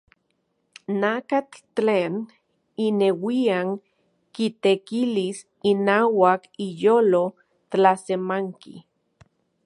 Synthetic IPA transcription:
nakat͡ɬ | leːn | inewiaŋ | kit̪ekilis | inaːwakijoːlo | t̪lasemaŋkḭ

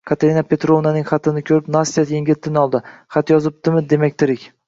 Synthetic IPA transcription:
kʰat̪ʰeɾinapʰe̞t̪ɾovnanɪŋχɑt̪ʰɪnɪkʲʰɵɾɪpnasijat̪jeŋɡʲɪt̪ʰːɪnɪɒlˠd̪ɪχɑt̪jɒzɪp̚t̪ɪmɪd̪e̞makʲt̪ʰɪɾɪkʲ

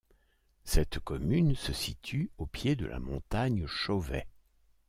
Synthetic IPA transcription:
sɛt̪kɔmynsəsit̪ʰyopjed̪ə̰lʔa̰mɔ̰̃t̪aɲʃovɛ̰

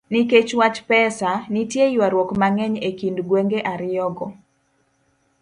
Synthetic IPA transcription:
niket͡ʃwat͡ʃpɛsanitjejwaɾwɔkmaŋɛɲekindɡweŋɡeʔaɾɪjɔɡɔ

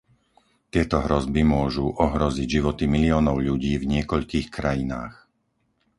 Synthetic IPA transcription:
t̪ɪɛt̪ɔɦɾɔzbimʊɔʒuʔɔɦɾɔziɟʒiʋɔt̪imiliɔːnɔʊʎuɟiːvɲɪɛkɔʎkiːxkɾajina̰ːx

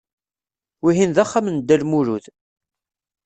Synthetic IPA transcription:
wiɦinðæχːamnd̪ːælmuɾuð

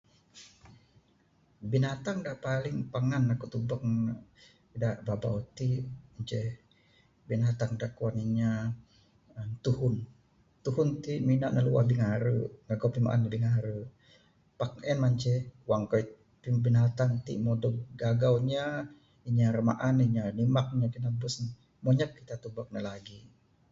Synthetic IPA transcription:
binat̪aŋdaʔpalɪŋpaŋanakuʔt̪ubək̚ | daʔbabaut̪imaɲt͡ʃɛh | binat̪aŋdaʔkuaniɲa | ət̪uhʊn | t̪uhʊnt̪iʔminaʔnəluwa̰hbiŋaɾəɡaɡawpima̰ʔa̰nabiŋaɾə | pak̚ɛnmaɲt͡ʃɛwaŋkɔj | pibinat̪aŋt̪ḭʔmɔdɔk̚ɡaɡawɲa | iɲarəma̰ʔaniɲanimak̚ɲapinabusn | mɔɲəp̚kit̪at̪ubak̚nalaɡi

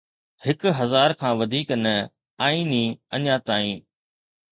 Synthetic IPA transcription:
hɪkɦɐzaːɾkʰãːʋɐd̪ʱiːknɐ | aːĩːnĩːɐɲãt̪aːĩː

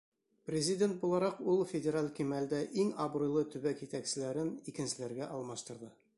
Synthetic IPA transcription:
prʲɪzʲɪdʲent̪̚bulˠɑɾɑqulˠfʲɪdʲeɾalʲkimæld̪æʔiŋɑbɾujlˠɤt̪ʉbækjɪt̪æksɘ̆læɾɘnikɘ̆nsɘ̆læɾɡæʔɒlˠmɑʃt̪ɤ̆ɾd̪ɤ

